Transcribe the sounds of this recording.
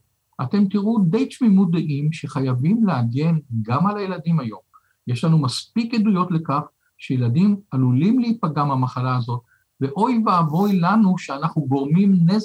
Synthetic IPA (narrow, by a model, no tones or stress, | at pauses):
ʔate̞mt̪iʁud̪e̞jt͡ʃmimut̚d̪eʔimʃeχajavimleaɡe̞nɡamalajeladimajo̞m | jeʃlanumaspikjedujo̞t̪le̞kaχ | ʃejeladimalulimleipaɡamhamaχalaːzo̞t̚ | ve̞ʔo̞jvaavo̞jlanuʃeanaχnuɡo̞ʁmimne